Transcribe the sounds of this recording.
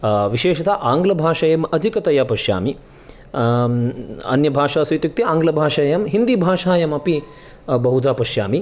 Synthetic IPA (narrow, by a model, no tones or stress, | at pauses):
ʋiʃeːʃɐt̪ʰaʔaːŋɡlɐbʱaːʂɐjɐmɐd͡ʒʱikɐt̪ɐjapɐʃja̰ːmi | ɐ̰njɐbʱaːʂaːsɐjt̪juk̚t̪iaːŋɡlɐbʱaːʂɐjɐmɦind̪ibʱaːʂaːjɐmɐpi | bɐɦud͡ʒaːpɐʃja̰ːmi